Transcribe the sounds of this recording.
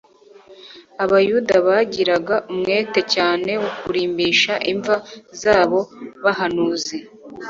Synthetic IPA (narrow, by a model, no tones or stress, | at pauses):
aβajudaβaɟiɾaɡaʔumŋe̞ːte̞caːne̞wukuɾiːmbiːʃaʔiɱvazaːβo̞βahanuːze